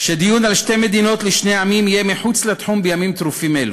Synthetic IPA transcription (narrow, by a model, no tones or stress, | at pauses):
ʃed̪ijunalʃt̪emed̪ino̞t̪leʃnejʕamimijemeħut͡slet̪ħumbejamimt̪ɾufimelu